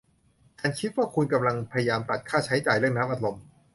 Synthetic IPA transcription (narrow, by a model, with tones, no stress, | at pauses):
kaː˧nkʰi˦˥t̪̚waː˥˩kʰu˧nka˧mla˧ŋpʰa˧ja˧jaː˧mt̪ɾa˨˩t̪̚kʰaː˥˩t͡ɕʰa˦˥jt͡ɕaː˨˩jɾɯ˥˩əŋnaː˦˥mʔa˨˩t̪ɾo˧m